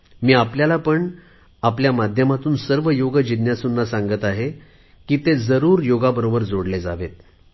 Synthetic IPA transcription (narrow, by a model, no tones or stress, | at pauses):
miːapljalapəɳ | apljamad̪ʱjəmat̪uːnsəɾʋəjoɡəd͡ʑid̪jasunːasãŋɡət̪aɦe | kiːt̪ed͡zəɾuːɾjoɡabəɾobəɾd͡zoɽled͡za̰ʋet̪̚